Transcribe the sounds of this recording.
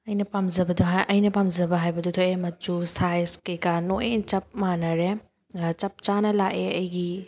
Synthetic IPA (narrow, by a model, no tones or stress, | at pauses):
ɐjnɐpamzɐbɐduɦajʔɐjnɐpamzɐbɐɦajbɐdutʰojemɐd͡ʒusajskekanoet͡ʃɐp̚manɐɾe | t͡ʃɐp̚t͡ʃanɐlaʔeɐjɡi